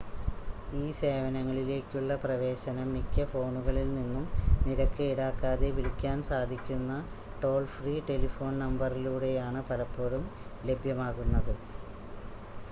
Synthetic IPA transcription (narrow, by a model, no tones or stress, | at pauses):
iːse̞ːʋɐnɐŋːɐɭile̞ːkʲːuɭːɐprɐʋe̞ːɕɐnɐmːikʲːɐfo̞ːɳuɣɐɭilninːumniɾɐkːɨiɽaːkːaːðeʋilkʲːaːnsaːd̪ʱikʲːunːɐ | ʈo̞ːɭfriːʈe̞lifo̞ːnnɐmbɐriluːɽe̞jaːɳɨpɐlɐpːo̞ːɻumle̞bʱjɐmaːɣunːɐðɨ